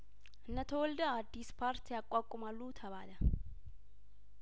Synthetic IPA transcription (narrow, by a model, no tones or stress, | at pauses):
ʔɨnːət̪ʰəwɔld̪əad̪ːispʰaɾt̪ʰijakʼːakʼːʊmalːut̪ʰɐβaːlə